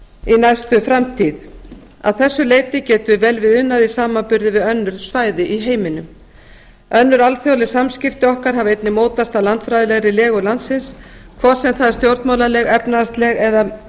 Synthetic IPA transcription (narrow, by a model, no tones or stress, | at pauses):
inajst̪ʏfɾamt̪ʰiːð | a̰ðθɛsːʏleːjt̪ɪcɛːt̪ʏɪvɛlvɪðʏnːaðisaːmapʏɾðɪvɪðœnːʏɾ̥svaːjðɪʔiɦeːjmɪnʏm | œnːʏɾalθjawlɪsamscɪft̪ɪɔhkaɾ̥ɦavejt̪nɪmoːwt̪ast̪aðlant̪fɾajðɪlɛɣɾɪlɛːɣʏlant̪sɪnskʰvɔɾ̥sɛmθaðst̪jowɾt̪maːwlalɛɣɛpnast̪lɛɣɛða